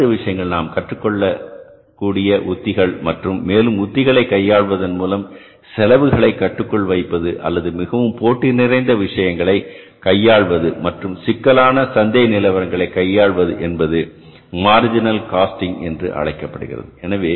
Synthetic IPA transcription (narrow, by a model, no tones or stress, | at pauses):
ɯʋɪʂɐjɐŋɡɐɭnaːmkɐʈrɯkːɔɭːɐ | kːuːɽɪjɐʔʊt̪ːɪɣɐɭmɐʈrɯmːeːlɯmʊt̪ːɪɣɐɭɐɪkːɐjːaːɭʋɐðɐnmuːlɐm | sɛlɐʋɯɣɐɭɐɪkːɐʈːɯkːɔɭʋɐɪpːɐðɯʔɐ̰lːɐðɯmɪɣɐʋɯmpoːʈːɪnɪɾɐɪnd̪ɐʋɪʂɐjɐŋɡɐɭɐɪ | kɐjːaːɭʋɐðɯmɐʈrɯmsɪkːɐlaːnɐsɐnd̪ɐjɐnɪlɐʋɐɾɐŋɡɐɭɐɪkːɐjːaːɭʋɐðɯʔɛnbɐðɯ | maːɾd͡ʒɪnɐlkaːsʈɪŋɛ̰ndrɯ̰ʔɐ̰ɻɐɪkːɐpːɐɽɯɣɪ̰rɐ̰ðɯɛnɐʋeː